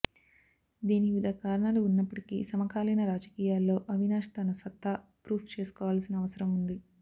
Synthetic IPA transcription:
d̪iːniʋid̪ʱɐkaːɾɐɳaːluunːɐpːɐʈikḭːsɐmɐkaːlɐjnɐɾaːd͡ʒɐkiːjaːlːo̞ːʔɐʋinaːʂɐ̥t̪aːnɐsɐt̪ːapɾuːpʰt͡ʃe̞ːsu̥kɔːʋaːlɐsinɐɐʋɐsɐɾɐmund̪i

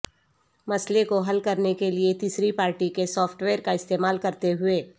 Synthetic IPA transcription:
mɐslekoɦɐlkɐɾnekeliet̪iːsɾipaːɾʈikesɔːpʰʈweːɾkaɪst̪eːmaːlkɐɾt̪eɦʊeː

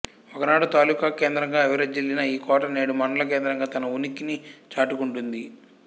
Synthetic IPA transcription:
ɔkɐnaːɽut̪aːluːkɐkeːnd̪ɾɐŋɡaːɐʋɐɾɐd͡ʒilːinɐiːkɔːʈɐneːɽumɐnɐlɐk̬eːnd̪ɾɐŋɡaːt̪ɐnɐunikinit͡ʃaːʈukuɳʈund̪i

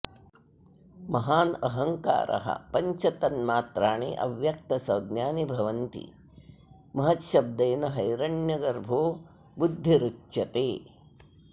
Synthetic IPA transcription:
mɐɦaːnɐɦɐŋka̰ːɾʔɐ̰ɦɐ̰pɐɲt͡ʃɐt̪ɐnmaːt̪ɾaːɳḭʔɐ̰ʋjɐk̚t̪ɐsɐwd̪ɲaːnibʱɐʋɐnt̪ḭ | mɐɦɐt̪ʃɐb̚d̪ɐːnɐɦɐjɾɐɳjɐɡɐɾbʱoː | bud̪ʱːiɾutʃɐt̪eː

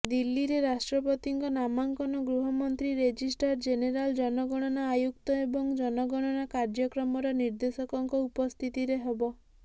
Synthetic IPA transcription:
d̪ilːiɾeɾasʈɾɔpɔt̪iŋkɔnamaŋkɔnɔɡɾuɦɔmɔnt̪ɾiɾed͡ʒisʈaɾd͡ʒeneɾald͡ʒɔnɔɡɔɽ̃ɔnaːjuk̚t̪ɔebɔŋd͡ʒɔnɔɡɔɽ̃ɔnakaɾd͡ʒɔkɾɔmɔɾɔniɾd̪esɔkɔŋkɔupɔst̪ʰit̪iɾeɦebɔ

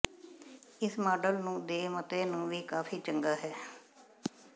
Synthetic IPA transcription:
ɪsmaːɖəlnũːd̪eːmət̪eːnũːʋiːkaːfiːt͡ʃəŋɡaːɦɛː

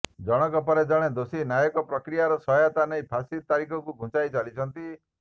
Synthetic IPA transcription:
d͡ʒɔɽ̃ɔkɔpɔɾed͡ʒɔɽ̃ed̪osinajɔkɔpɾɔkɾijaɾɔsɔɦjɔt̪anɔjpʰasit̪aɾikʰɔkuɡʱũt͡ʃajt͡ʃalit͡ʃʰɔnt̪i

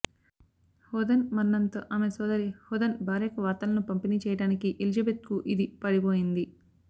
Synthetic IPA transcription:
hɔːd̪ɐnmɐnːɐnt̪o̰ːʔaːmesɔːd̪ɐɾihɔːd̪ɐnbʱaːɾɛːkɐʋaːɾt̪ɐlɐnupɐmpiniːt͡ʃɛːjɐɽaːnikiʔelid͡ʒɐbeːt̪̚kuʔid̪ipɐɽiboːjind̪i

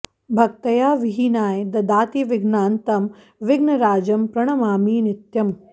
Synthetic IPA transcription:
bʱɐk̚t̪ɐjaːʋiɦinaːjd̪ɐd̪aːt̪iʋɪɡnaːnt̪ɐm | ʋɪɡnɐɾaːd͡ʒɐmpɾɐɳ̃ɐmaːmiːnɪt̪jɐm

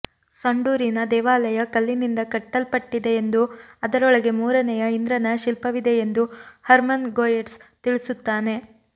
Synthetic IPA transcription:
sɐɳɖuːɾinɐd̪ɛːʋaːlɐjɐkɐlːinind̪ɐkɐʈːɐlpɐʈːid̪e̞ːnd̪uɐd̪ɐɾɔɭɐɡe̞muːɾɐnɛjɐind̪ɾɐnɐʃilpɐʋid̪e̞end̪uhɐɾmɐnɡoːjeʈst̪iɭisut̪ːaːne̞

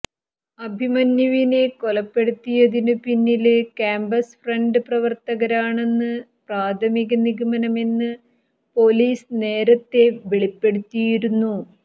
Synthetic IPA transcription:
ɐbʱimɐnjɐʋine̞ko̞lɐpːe̞ɽut̪ːijɐðinɨpinːilkaːmbɐsfreɳɖɨprɐʋɐrt̪ɐɣɐɾaːɳe̞nːɨ | praːd̪ʱʰɐmiɣɐniɣɐmɐnɐme̞nːɨ | po̞ːliːsne̞ːɾɐt̪ːe̞ʋeɭipːe̞ɽut̪ːijiɾunːu

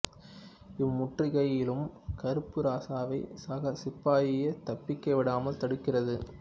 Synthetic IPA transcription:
ɪmːʊʈrɪɣɐjɪlɯmkɐɾɯpːɯɾaːsaːʋɐɪsɐɣɐsɪpːaːjɪjɐt̪ɐpːɪkːɐʋɪɽaːmɐlt̪ɐɽɯkːɪrɐðɯ

